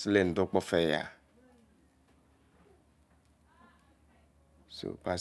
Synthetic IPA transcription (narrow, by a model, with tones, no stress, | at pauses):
sle˦˨n̩˨do˦k͡pɔ˦fɛ˦ja̰˨ | so̰˨pa˨